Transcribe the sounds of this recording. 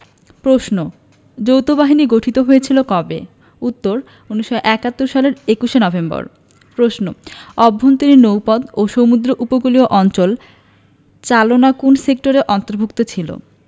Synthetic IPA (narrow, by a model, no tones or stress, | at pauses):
pɾoʃno | d͡ʑowt̪obaɦiniɡoʈʰit̪oɦojet͡ɕʰilokɔbe | ut̪ːoɾ | uniʃːɔʔɛkat̪ːoɾʃaleɾekuʃenɔbembɔ̰ɾ | pɾoʃnoɔbʱːont̪iɾinowpɔd̪oʃomud̪ɾoʔupokulioʔɔnt͡ɕol | t͡ɕalonakunsek̚ʈoɾeʔɔnt̪oɾbʱuk̚t̪ot͡ɕʰilo̰